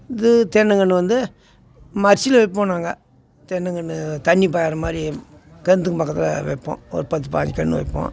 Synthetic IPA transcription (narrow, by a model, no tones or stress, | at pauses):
ɪðɯt̪ɛnːɐŋɡɐɳːɯʋɐnd̪ɯ | mɐɾt͡ʃːɪlɐʋɛpːoːnaːŋɡɐ | t̪ɛnːɐŋɡɐɳːɯt̪ɐɳːip̬aːjaːɾɐmaːd̪ɾi | kɛnt̪ɯkːɯpɐkːɐt̪ːɪlɐ̰ʋɛ̰pːõ̰ːɔ̰ɾɯpɐt̪ːɯpa̰ːɲd͡ʒkɐɳːɯʋɐ̰pːõ̰ː